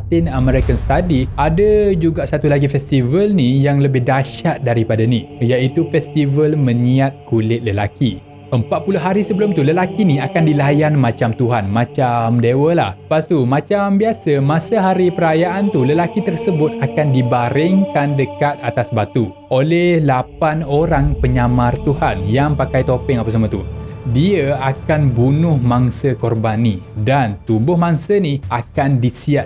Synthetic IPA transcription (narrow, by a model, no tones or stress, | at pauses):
t̪ɪnəmɛ̃ɾikanst̪adiadad͡ʒuɡaʔsat̪ulaɡifɛst̪ivəlnijaŋləbɪhdaʃat̪̚daɾipadanijaʔit̪ufɛst̪ivəlmə̃ɲiat̪̚kulɪt̪̚ləlaki | ʔəmpat̪̚pulʊɦaɾisəbəlʊmt̪uləlakinĩakandilajanmãt͡ʃamt̪uɦanmãt͡ʃamdewəla̰hpast̪umãt͡ʃambiasəmãsəɦaɾipəɾajaʔant̪uləlakit̪ərsəbʊt̪̚akandibaɾɪŋkandəkat̪̚at̪asbat̪u | ʔolɛhlapanoɾaŋpəɲamart̪uhanjaŋpakajt̪opɪŋapasamə̃t̪udiəakanbunʊhmaŋsəkɔrbanĩdant̪umbʊhmaŋsəniʔakandisiat̪